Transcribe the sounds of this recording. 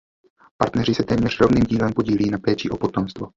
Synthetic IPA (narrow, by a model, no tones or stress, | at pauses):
paɾt̪nɛr̝ɪsɛt̪ɛːmɲɛr̝rovniːmɟiːlɛmpo̞ɟiːliːnapɛːt͡ʃɪʔo̞po̞t̪omst̪vo